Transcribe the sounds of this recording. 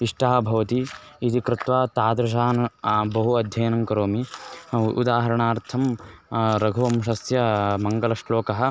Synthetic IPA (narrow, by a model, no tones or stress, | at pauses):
iʂʈɐɦɐ̆bʱɐʋɐt̪iit̪ikɾɪt̪ʋaːt̪aːd̪ɾɐʃ̬aːɐnɐbɐɦuɐd̪ʱjɐjɐnɐŋkɐɾoːmi | ṵd̪aːɦɐɾɐɳaːɾt̪ʰɐm | ɾɐɡʱɐʋɐmʃɐsjɐmɐŋɡɐlɐʂloːkɐɦɐ̆